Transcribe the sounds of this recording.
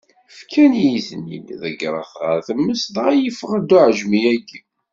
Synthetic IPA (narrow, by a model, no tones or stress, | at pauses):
fkʰænjiθnḭd̪ðəɡɾˤə̰θʁə̰ɾθəmːəsðʁæjəfʁəd̪ʊʕəʒmiæɡ